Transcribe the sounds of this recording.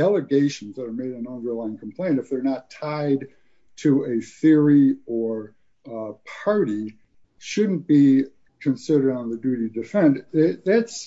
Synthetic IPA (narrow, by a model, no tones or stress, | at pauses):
dɛlˠəɡeɪʃn̩zðəɾə˞meɪɾɨ̃nʌ̃ndə˞laɪɪ̃ŋkʰm̩pʰl̥ẽɪ̃ntɨfðə˞nətʰaɪd | tʰɨɨθɪɹiə˞ | pʰɑɹɾi | ʃʊdⁿn̩b̥i | kʰɨ̃nsɪɾə˞ɾə̃n̩ðɨdʉɾidɨfɛ̃nɪðæts